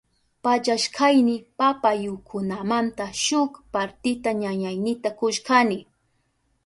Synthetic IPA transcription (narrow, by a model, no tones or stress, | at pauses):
pat͡ʃaʃkʰajnɪpapajʊkʰʊnamant̪aʃʊkpaɾt̪ɪt̪aɲaɲajnɪt̪akʊʃkanɪ